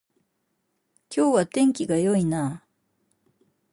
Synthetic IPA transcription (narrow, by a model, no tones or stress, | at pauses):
kʲo̞ːβat̪ẽ̞ŋkʲiɡajo̞inaː